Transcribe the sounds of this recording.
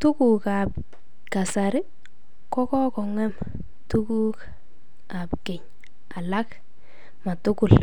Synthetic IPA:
tʊ˦ku˨ka˨p̚ | ka˨sa˨ɾɪ˦ | kɔ˦kɔ˦kɔ˨ŋɛ˦m | tu˦ku˦k | a˨pke˨ɲ | a˨la˦k | ma˨tʊ˦kʊ˨l

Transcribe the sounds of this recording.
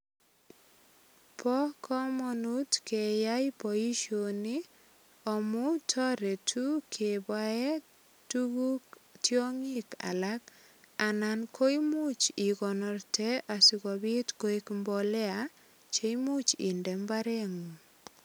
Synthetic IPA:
pʰɔ˦kʰɔ˦mɔnu˦tke˨ja˦jpɔ˨i˦ʃoni˦ | ɔ˨mu˦tʰɔ˦ɾe˨tʰu˦kʰe˨bwa˦ɛ˦ | tuɡu˦ktjɔ˦ŋi˦ka̰˨la˦k | a˨na˨nkʰo˦jmu˦t͡ʃi˨kɔ˨nɔ˨rtɛ˦a˨si˨kɔ˨bi˦tko˦i˦kmbɔlɛ˦a | t͡ʃe˦jmu˦t͡ʃḭ˨ndɛ˨mbaɾɛ˦ŋu˨

